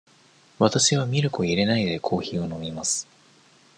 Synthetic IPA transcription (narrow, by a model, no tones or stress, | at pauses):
βat̪aɕiβ̞amʲiɾɯ̟ko̞iɾe̞naid̪e̞kʰo̞ːçiːo̞no̞mʲimasɨ̥